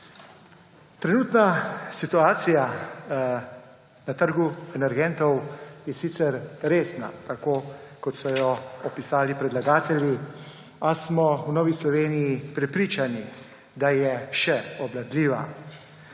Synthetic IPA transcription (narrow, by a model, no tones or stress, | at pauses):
t̪ɾɛnuːt̪nasit̪uaːt̪sija | nat̪əɾɡuɛnɛɾɡɛnt̪ɔwjɛsit̪sɛɾɾeːsna̰t̪akoːkɔt̪sɔjɔɔpisaːlipɾɛd̪laɡaːt̪ɛlji | asmɔwnɔːʋislɔʋeːnijipɾɛpɾiːt͡ʃani | d̪ajɛʃɛɔblad̪liːʋa